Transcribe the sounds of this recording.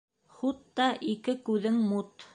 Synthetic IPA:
χut̪ːɑʔikɘkʉðɘŋmut̪

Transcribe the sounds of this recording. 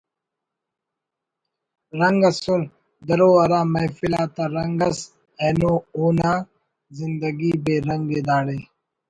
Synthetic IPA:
ɾɐŋɡɐsul | d̪ɐɾoːɐɾaːmɐjfilaːt̪aɾɐŋɡɐs | eːnoːoːnaː | zɪnd̪əɡiːbeːɾɐŋɡed̪aːɽeː

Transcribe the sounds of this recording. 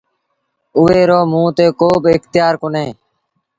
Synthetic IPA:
ʊʋeːɾoːmũːt̪eːkoːbɪkt̪ɪjaːɾkʊnẽː

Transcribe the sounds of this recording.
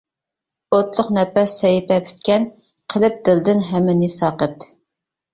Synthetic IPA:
ot̪lˠʊqnɛpɛsɛjpɛpʰy̥t̪̚kʲɛn | qʰəlˠɨp̚d̪ɪld̪ɪnɦɛmːɪnɪsɑːqət̪

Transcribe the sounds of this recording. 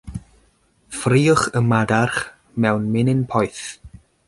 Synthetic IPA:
friːʊχəmadarχ | mɛwnmɪnɪnpʰɔjθ

